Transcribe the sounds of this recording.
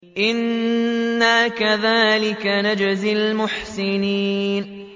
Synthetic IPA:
ʔɪnː | aːkaðaːlɪkanad͡ʒzɪlmʊħsɪniːn

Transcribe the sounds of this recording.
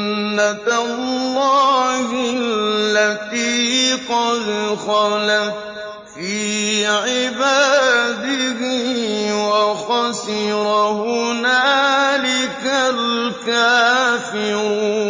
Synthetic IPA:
nːatalːɑːhɪlːat̪iːqɑðxɑna | fiːʕɪbaːd̪ɪɦɪwaxɑsɪɾahʊnaːlɪkalkaːfɪɾuː

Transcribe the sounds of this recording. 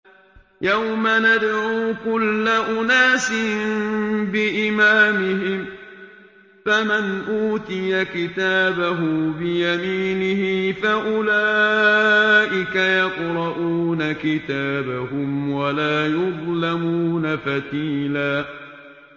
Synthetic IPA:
jawmanad̪ɾuːkʊlːaʔʊnaːsɪmmbɪʔɪmaːmɪɦɪm | famanʔuːt̪ɪjakɪt̪aːbaɦʊbɪjamiːnɪhɪfaʔʊlaːʔɪkajɑqɾˤɑʔuːnakɪt̪aːbaɦʊmwalaːjʊðˤlamuːnafat̪iːlaː

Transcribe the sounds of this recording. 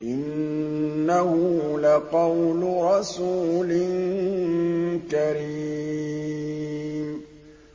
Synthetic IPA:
ʔɪnː | ahʊlaqɑwlʊɾˤɑsuːlɪnŋ | kaɾi | m

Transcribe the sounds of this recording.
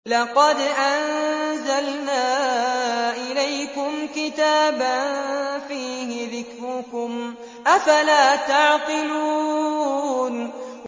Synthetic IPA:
lɑqɑd̪ʔanzalnaː | ʔɪlajkʊmkɪt̪aːbanfiːhɪðɪkɾʊkʊm | ʔafalaːt̪aʕqɨluː | n

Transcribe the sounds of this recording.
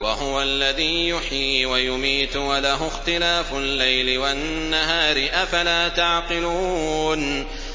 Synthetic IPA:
waɦʊwalːaðiːjʊħiːwajʊmiːt̪ʊwalaɦʊxt̪ɪlaːfʊlːajlɪwanːaɦaːɾɪʔafalaːt̪aʕqɪluːn

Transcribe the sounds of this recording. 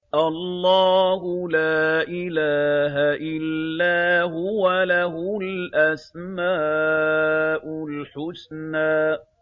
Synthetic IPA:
ʔallˤːɑːhʊlaːʔɪlaːɦaʔɪlːaːɦʊwalaɦʊlʔasmaː | ʔʊlħʊsnaːʔ

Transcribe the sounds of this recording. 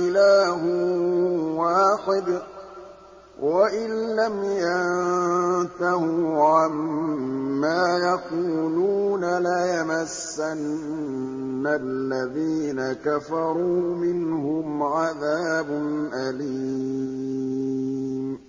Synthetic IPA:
ɪlaːɦʊ | waːħɪd̪ | waʔɪnːamjant̪ahʊʕamː | aːjaquːluːnalajamasːan | alːaðiːnakafɑɾˤuːmɪnhʊmʕaðaːbʊnʔali | m

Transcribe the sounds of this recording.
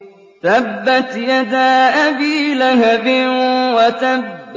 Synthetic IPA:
t̪abːat̪jad̪aːʔabiːlaɦabɪwat̪ab

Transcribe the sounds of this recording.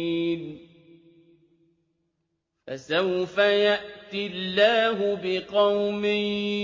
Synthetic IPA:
n | fa̰sawfajaʔt̪ɪlːaːɦʊbɪqɑwmɪ

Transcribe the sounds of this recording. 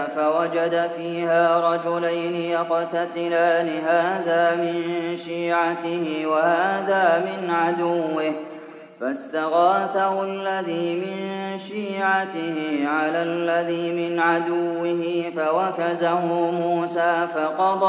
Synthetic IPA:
fawad͡ʒad̪afiːhaːɾˤɑd͡ʒʊlajnɪjɑqɑt̪at̪ɪlaːlɪɦaːðaːmɪnʃiːʕat̪ɪhɪwahaːðaːmɪnʕad̪ʊwːɪh | fast̪aɣaːθahʊalːaðiːmɪnʃiːʕat̪ɪhɪʕalalːaðiːmɪnʕad̪ʊwːɪɦɪfawakazahʊmuuːsaːfaqɑd̪ˤɑ

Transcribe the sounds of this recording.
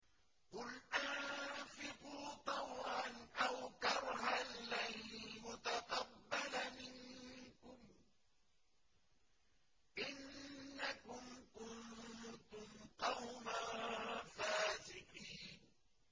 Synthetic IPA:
qʊlʔaʕfɪquːt̪ˤɑwʕanʔawkɑɾˤhanːalmʊt̪aqɑbːalamɪŋkʊm | ʔɪnːakʊmkʊnt̪ʊmqɑwma | faːsɪqiːn

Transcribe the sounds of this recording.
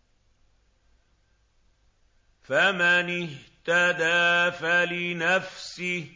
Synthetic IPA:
famanɪɦt̪ad̪aːfalɪnafsɪ

